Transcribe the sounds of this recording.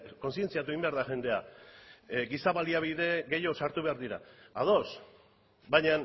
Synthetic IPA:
ko̞nsie̞nt͡siat̪ueimbe̞aɾðaʝe̞nd̪e̞a | ɡisaβaliaβiðe̞ɡe̞jo̞saɾt̪uβe̞aɾðiɾa̰að̞o̞s | baɲan

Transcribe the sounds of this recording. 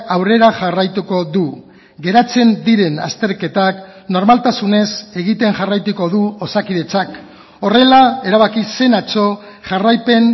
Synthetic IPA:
awre̞ɾaʝarajt̪uko̞ðu | ɡe̞ɾat͡se̞nd̪iɾe̞na̰st̪e̞ɾke̞t̪akno̞ɾmalt̪asune̞se̞ɣit̪e̞ŋʝarajt̪uko̞ðuosakiðe̞t͡sak | o̞re̞laeɾaβakise̞nat͡so̞ | ʝarajpe̞n

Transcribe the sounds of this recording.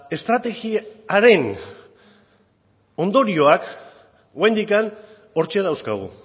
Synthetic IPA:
e̞st̪ɾat̪e̞ɣiaɾe̞n | o̞nd̪o̞ɾio̞ak | oajnd̪ikan | o̞ɾt͡ʃeaðawskaɣ̞ṵ

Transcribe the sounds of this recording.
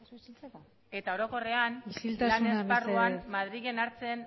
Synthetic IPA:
e̞t̪aoɾo̞ko̞re̞anisilt̪aslanezparuamað̞ɾiɣe̞naɾt͡se̞n

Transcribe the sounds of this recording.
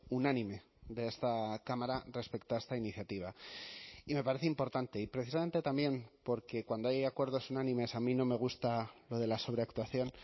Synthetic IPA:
unãnĩme̞ | d̪e̞est̪akamaɾare̞spe̞kt̪oaest̪ainiθjat̪iβ̞a | ime̞paɾe̞θeimpo̞ɾt̪ant̪e̞ipɾe̞θis̬amẽ̞nt̪e̞t̪ambje̞mpo̞ɾke̞kwand̪oajakwe̞ɾðo̞sunãnĩme̞samĩno̞me̞ɣ̞ust̪alo̞ð̞e̞laso̞β̞ɾe̞akt̪waθjo̞n

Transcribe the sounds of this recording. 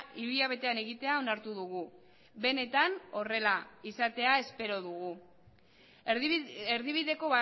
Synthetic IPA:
iɾuʎaβ̞e̞t̪e̞ane̞ɣit̪e̞ao̞naɾt̪uðuɣu | be̞ne̞t̪ano̞re̞laisat̪e̞ae̞spe̞ɾo̞ðuɣu | eɾðiβ̞iðe̞ko̞βa

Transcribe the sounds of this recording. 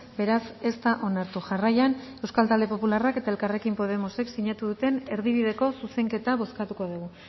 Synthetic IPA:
be̞ɾase̞st̪aʔo̞naɾt̪uʝarajane̞wskalt̪ald̪e̞po̞pularake̞t̪ae̞lkare̞kimpo̞ð̞emose̞ksiɲat̪uðut̪e̞ne̞ɾðiβiðe̞ko̞suse̞ŋke̞t̪aβo̞skat̪uko̞ðuɣ̞u

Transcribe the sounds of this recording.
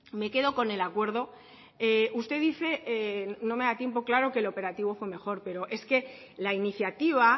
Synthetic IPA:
me̞ke̞ðo̞ko̞ne̞lakwe̞ɾð̞o̞ | eust̪e̞ðiθe̞no̞me̞ðat̪je̞mpo̞klaɾo̞ke̞ːlo̞pe̞ɾat̪iβo̞fwe̞me̞xo̞ɾpe̞ɾo̞ʔe̞ske̞ | lainiθjat̪iβ̞a

